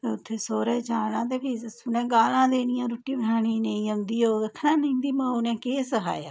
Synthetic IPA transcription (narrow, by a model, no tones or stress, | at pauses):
t̪eːʊt̪ʰːeːsoːɾɛːt͡ʃaːɽãːt̪̬eːpiːsʊnɛ̃ːɡaːlãːd̪eːnɪjãːɾoːʈiːbənaːɽ̃ĩːnəĩːənd̪iːoːd̪əkʰnãːnəĩːd̪iːmãːʊnɛ̃ːkeːsəɦʰa̰ːja̰ː